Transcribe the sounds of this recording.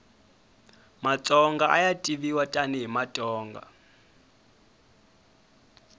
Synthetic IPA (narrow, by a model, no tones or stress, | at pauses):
mat͡sʼɔŋɡaʔajatʼiβiwatʼaniɦimatʼɔːŋɡa̰